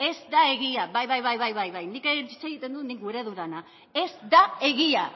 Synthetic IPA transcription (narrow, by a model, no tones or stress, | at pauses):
e̞zd̪ae̞ɣ̞iaβajβajβajβajβajβajnikeit͡seɣit̪e̞nd̪unikɡuɾe̞ðuðana | e̞zd̪ae̞ɣia